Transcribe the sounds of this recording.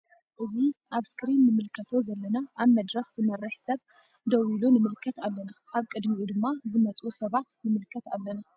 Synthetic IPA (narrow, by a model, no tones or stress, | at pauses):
ʔɨziʔaβskɾinːɨmɨlkʰɐt̪ʰo̞zɐlːɐnaʔaβmɐd̪ɾɐxzɨmɐrːɨħsɐβ | d̪ɐwilunɨmɨlkʰɐt̪alːɐnaʔaβkʼɨd̪miʔud̪ɨmːazɨmɐt͡sʼusɐβat̪nɨmɨlkʰɐt̪alːɐna